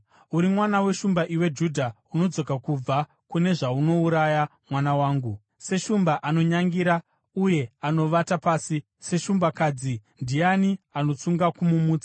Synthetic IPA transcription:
uɾimwanawe̞ʃumbaʔiwe̞d͡ʒudʱa | uno̞d͡zo̞kakub͡va | kune̞ʐauno̞uɾajamwanawaːŋɡu | se̞ʃumbaʔano̞ɲaŋɡiɾa | uje̞ano̞ʋatapaːsi | se̞ʃumbakaːd͡zindianiano̞t͡suŋɡakumumuːt͡sḁ

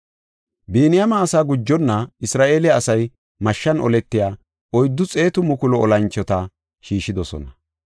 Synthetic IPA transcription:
beːnɪjɐmaːsaːɡʊd͡ʒːɔnːɐɪsɾaːʔe̞ːlɪaːsɐj | mɐʃːɐnʔɔ̰lɛt̪ːɪjaː | ɔjd̪ːʊt͡sʼe̞ːt̪ʊmʊkʊlɔɔlɐnt͡ʃːɔt̪ɐ | ʃiːʃɪd̪ɔsɔ̰nɐ

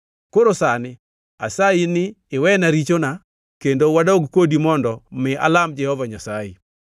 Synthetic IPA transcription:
koɾosanɪ | a̰sainɪːwɛnaɾit͡ʃona | kendowadaoɡkodimɔndɔmɪa̰lamd͡ʒɛhɔvaɲasaḭ

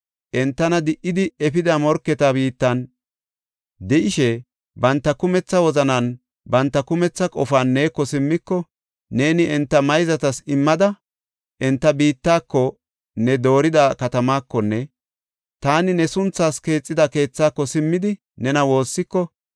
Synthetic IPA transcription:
ʔɛnt̪ːɐnɐd̪ɪʔɪd̪ɪɛpɪd̪ɐmɔɾkːɛt̪abiːt̪ːɐn | d̪ɛʔɪʃɛ | bɐnt̪ːɐkʊmɛt͡sːɐwɔzɐnɐn | bɐnt̪ːɐkʊmɛt͡sːɐkʼɔfaːnːeːkːɔsɪmːɪkːɔ | ne̞ːnɪʔɛnt̪ːɐmɐjzɐt̪ɐsɪmːɐd̪ɐ | ʔɛnt̪ːɐbiːt̪ːaːkːɔ | nɛd̪o̞ːɾɪd̪akɐt̪ɐmaːkːɔnːɛ | t̪aːnɪnɛsʊnt͡sːaːske̞ːt͡sʼːɪd̪ɐke̞ːt͡sːaːkːɔsɪmːɪd̪ɪ | nɛnɐwo̞ːsːɪkːɔ

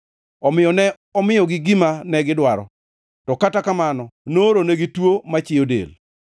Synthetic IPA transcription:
ɔmɪɔnɛ | ɔmɪjɔɡɪɡimanɛɡɪdwaɾɔ̰ | tɔkatakamanɔnoɾonɛɡitwomat͡ʃɪjodḛl

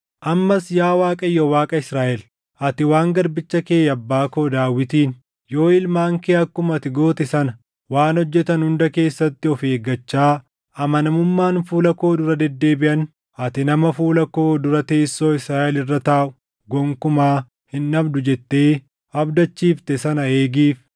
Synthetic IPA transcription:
ʔɐmːɐsjaːwaːkʼɐjːɔwaːkʼɐɪsɾaːʔɛl | ʔɐt̪ɪwaːŋɡɐɾbɪt͡ʃːɐkeːjɐbːaːko̞ːd̪aːwːɪt̪iːn | jo̞ːɪlmaːŋkeːɐkːʊmɐt̪ɪɡo̞ːt̪ɛsɐnɐ | waːnhɔd͡ʒːɛt̪ɐnhʊnd̪ɐke̞ːsːɐt̪ːɪɔfeːɡɐt͡ʃːaː | ʔɐmɐnɐmʊmːaːnfuːlɐko̞ːd̪ʊɾɐd̪ɛd̪ːe̞ːbɪʔɐn | ʔɐt̪ɪnɐmɐfuːlɐko̞ːd̪ʊɾɐt̪e̞ːsːo̞ːɪsɾaːʔɛlɪrːɐt̪aːʔʊ | ɡɔŋkʊmaː | hɪnːɐbd̪ʊd͡ʒɛt̪ːe̞ː | ɐbd̪ɐt͡ʃːiːft̪ɛsɐnɐeːɡiːf

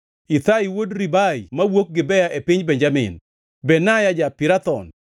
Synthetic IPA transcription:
it̪aiwodɾibaimawok̚ɡɪbɛjaʔepɪɲbɛɲd͡ʒamɪ̰n | bɛnajad͡ʒapɪɾat̪ɔ̰n

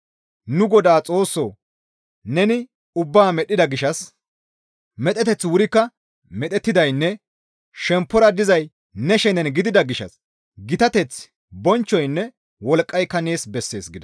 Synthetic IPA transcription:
nʊɡɔd̪aːt͡sʼo̞ːsːo | nɛnɪ | ʊbːaːmɛɗːɪd̪ɐɡɪʃɐs | mɛt̪ʼɛt̪ɛt͡sːwʊɾɪkːɐ | mɛt̪ʼɛt̪ːɪd̪ɐjnːɛ | ʃɛmpːɔɾɐd̪ɪzɐj | nɛʃɛnɛnɡɪd̪ɪd̪ɐɡɪʃɐ̰s | ɡɪt̪ɐt̪ɛt͡s | bɔnt͡ʃːɔjnːɛ | wɔlkʼːɐjkːɐne̞ːsbɛsːe̞̰ːsɡɪd̪ɐ

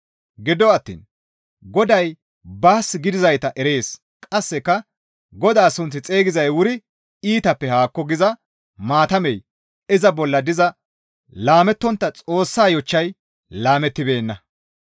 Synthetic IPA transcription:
ɡɪd̪ɔɐt̪ːḭːn | ɡɔd̪ɐj | baːsɪɡɪd̪ɪzɐjt̪ɐʔɛɾe̞ːs | kʼɐsːɛkːɐ | ɡɔd̪aːsʊnt͡sːɪt͡sʼeːɡɪzɐjwʊɾɪ | iːt̪ɐpːɛhaːkːɔɡɪzɐ | maːt̪ɐmɛj | ɪzɐbɔlːɐd̪ɪzɐ | laːmɛt̪ːɔnt̪ːɐt͡sʼo̞ːsːaːjɔt͡ʃːɐj | laːmɛt̪ːɪbe̞ːnːɐ

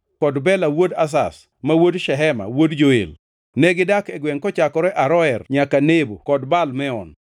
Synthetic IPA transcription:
kɔdbɛlawodas̬a̰s | mawodʃɛɦɛma̰wodd͡ʒoḛl | nɛɡɪdakɛɡwɛŋkɔt͡ʃakɔɾɛʔaɾɔɛrɲakanebokɔdbalmɛɔn

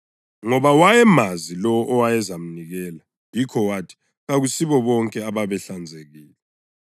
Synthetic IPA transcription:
ŋɔβawajɛmazilɔwɔʔɔwajɛzam̩niɣɛːla | jikʰɔwatʰi̥ | ɣaɣusiβɔβɔŋkʼɛaβaβɛɬand͡zʱeɣiːlɛ

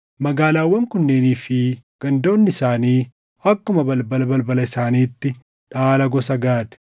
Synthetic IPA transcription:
mɐɡaːlaːwːɐŋkʊnːeːniːfɪɡ̥ɐnd̪o̞ːnːɪsaːniː | ɐkːʊmɐbɐlbɐlbɐlbɐlɐɪsaːniːt̪ːɪ | ᶑaːlɐɡɔsɐɡaːd̪ɛ̥

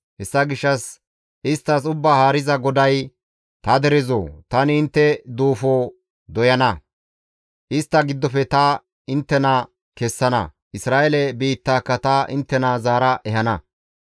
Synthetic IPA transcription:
hɛsːɐɡɪʃːɐs | ʔɪst̪ːɐsʊbːaːhaːɾɪzɐɡɔd̪ɐj | t̪ɐd̪ɛɾɛzo̰ːt̪ɐnɪːnt̪ːɛd̪uːfoː | d̪ɔjɐnɐ | ʔɪst̪ːɐɡɪd̪ːɔfɛt̪ɐ | ɪnt̪ːɛnɐ | kɛsːɐnɐ̰ | ʔɪsɾaːʔelɛbiːt̪ːaːkːɐt̪ɐɪ̰nt̪ːɛnɐzaːɾɐʔɛhɐnɐ

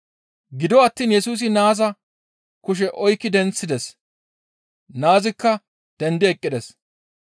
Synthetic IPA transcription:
ɡɪd̪ɔɐt̪ːiːnjɛsuːs̬ɪnaːzɐ | kʊʃ̬ɛʔɔjkːɪd̪ɛnt͡sːɪd̪ɛs | naːzɪkːɐ | d̪̥ɛnd̪ɪɛkʼːɪd̪ɛs

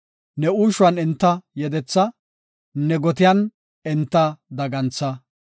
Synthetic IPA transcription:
nɛuːʃʊɐnɪnt̪ːɐjɛd̪ɛt͡sːɐ | nɛɡɔt̪ɪjɐn | ɪnt̪ːɐd̪ɐɡɐnt͡sːɐ

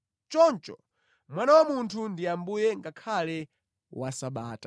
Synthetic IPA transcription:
t͡ʃɔnt͡ʃɔ̰ | mwanawamuntʰundiambujɛŋɡakʰalɛ | wasaɓaːta

